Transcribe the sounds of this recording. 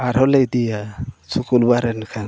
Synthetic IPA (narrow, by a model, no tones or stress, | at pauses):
aɾhɔlejd̪ijasʰukulbaɾɛnkʰa